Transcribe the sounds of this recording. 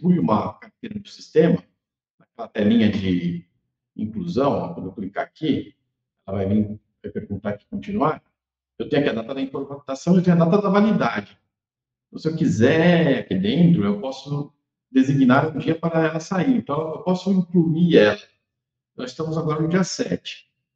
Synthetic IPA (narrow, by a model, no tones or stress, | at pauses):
pujũmɐkap̚t̪eɾd̪ʊsi̥st̪ẽmɐ | nɐkɛlɐt̪ɛlĩɲɐd͡ʒɪ | ḭ̃ŋkluzɐ̃w̃a̰kwɐ̃d̪oewklika̰aki | ɛlɐvajvĩ | hepeɾkũt̪aɾkɪ̥kõnt͡ʃĩnuaɾ | ewt̪ẽɲ̃ʊkiad̪at̪ɐd̪ɐĩfoɾmat̪asɐ̃w̃ewt̪ẽɲʊad̪at̪ɐd̪ɐvalid̪ad͡ʒɪ̃ | sewkizɛakid̪ẽnt̪ɾʊewpɔsʊ | d̪eziɡnaɾũd͡ʒiɐpaɾɐɛlɐsaiẽnt̪ɐ̃w̃ewpɔsʊĩŋkluiɛlɐ | nɔzist̪ɐ̃mʊzaɡɔɾɐnʊd͡ʒiɐsɛ̰t͡ʃɪ̥